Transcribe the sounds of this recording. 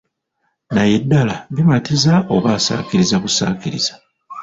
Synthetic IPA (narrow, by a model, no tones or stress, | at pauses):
naje̞dːalaβimatizaoβaːsa̰ːkiɾizakusa̰ːkiɾḭzḁ